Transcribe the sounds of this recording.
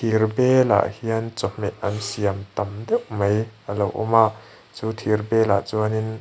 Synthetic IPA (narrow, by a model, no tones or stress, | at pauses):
t̪ʰirbɛla̰ʔhiɐnt͡sɔmːɛʔʔɐnsiamt̪ɐmd̪ɛwmɐjʔəlo̰wʔɔ̰maʔ | t͡suːt̪ʰirbɛːla̰ʔt͡suənin